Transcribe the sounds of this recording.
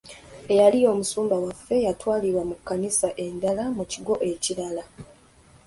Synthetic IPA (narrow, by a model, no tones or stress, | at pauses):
e̞jalio̞ːmusuːmbawafːe̞jatwaːliɾwamukːanisaʔe̞ndalamuciɡo̞ʔe̞ciɾala